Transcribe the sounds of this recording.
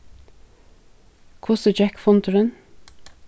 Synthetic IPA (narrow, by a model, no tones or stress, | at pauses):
kʰʊsəd͡ʒækfɔnt̪ʰəɾən